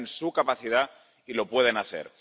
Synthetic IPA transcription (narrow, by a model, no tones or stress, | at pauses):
nsukapaθið̞a | ilo̞pwe̞ð̞e̞naθḛɾ